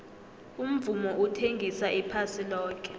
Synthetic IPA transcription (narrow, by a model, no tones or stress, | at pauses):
um̩vumɔʔutʰeŋɡʱisaʔipʰasilɔːk̬ɛ̥